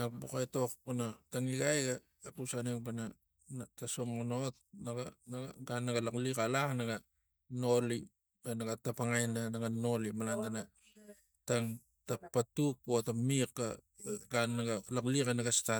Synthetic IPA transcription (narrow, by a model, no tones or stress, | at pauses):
nabokajto̞k̚panataŋiɡajɡa | apusaneŋpana | natasoŋonot̚naɡanaaɡanːaɡalaklikalaknaɡa | no̞li | anaɡatapaŋajnanaɡano̞limalandana | taŋ | tapːatuk̚otamika | ɡanːaɡalaklikanaɡasta